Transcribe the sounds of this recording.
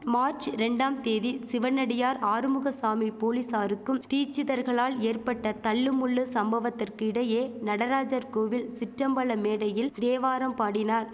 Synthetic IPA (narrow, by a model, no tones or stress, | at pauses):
maːɾt͡ʃɾɛɳɖaːmt̪eːðisɪʋɐnɐɽɪjaːɾaːɾɯmɯɣɐsaːmipoːlisaːɾɯkːɯmt̪iːt͡ʃːɪðɐɾɣɐɭaːleːrpɐʈːɐt̪ɐɭːɯmʊɭːɯsɐmbɐʋɐt̪ːɪrkɯɪɽɐjeːnɐɽɐɾaːd͡ʒɐɾkoːʋɪlsɪʈrɐmbɐɭɐmeːɽɐjɪld̪eːʋaːɾɐmpaːɽɪnaːɾ